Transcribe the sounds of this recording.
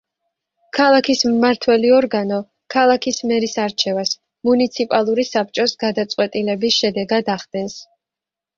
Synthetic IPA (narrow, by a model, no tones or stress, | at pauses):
kʰalˠakʰismːaɾt̪ʰwɛliɔɾɡanɔ | kʰalˠakʰismɛɾisaɾt͡ʃʰɛvas | munit̪sʰipʼalˠuɾisap̚t͡ʃʼɔsɡad̪at̪sʼwɛt̪ʼilɛbisʃɛd̪ɛɡad̪aχd̪ɛns